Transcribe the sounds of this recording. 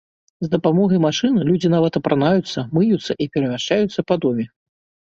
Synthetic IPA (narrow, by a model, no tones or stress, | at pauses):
zd̪ɐpamɔɣɐjmaʂɨnlʲud͡zʲinavɐt̪ɐpɾanajut̪sːɐmɨjut̪sːɐʔipʲɛɾɐmʲaʂt͡ʂajut̪sːɐpad̪ɔmʲɛ